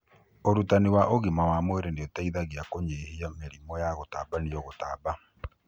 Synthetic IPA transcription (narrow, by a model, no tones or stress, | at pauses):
oɾutaniwaʔoɣimawamweɾendeɔtaiðaɣiakoɲehiameɾimɔjaɣotaːbanijɔɣotaːba